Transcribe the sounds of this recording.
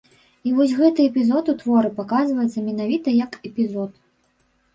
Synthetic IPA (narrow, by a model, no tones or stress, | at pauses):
ivɔsʲɣɛt̪ɨɛpʲizɔt̪ut̪vɔɾɨpakazvɐjɛt̪sːɐmʲɛn̪avʲit̪ɐjɐkɛpʲizɔt̪̚